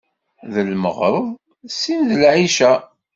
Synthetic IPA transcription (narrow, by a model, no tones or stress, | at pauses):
ðəlmə̰ʁɾˤəðˤ | sinðəlʕiʃæ